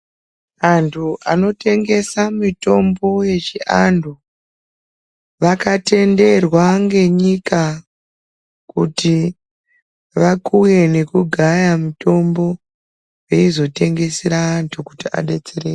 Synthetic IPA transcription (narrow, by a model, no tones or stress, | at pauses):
antʰuʔa̰no̞te̞ŋɡe̞samito̞mbo̞jet͡ʃiʔandʱu | ʋakate̞nde̞rwaŋɡe̞ɲika | kuti | ʋakuje̞ne̞kuɡʱajamito̞mbo̞ | jeizo̞te̞ŋɡe̞seɾaːntʰukutia̰ɗe̞t͡sereːj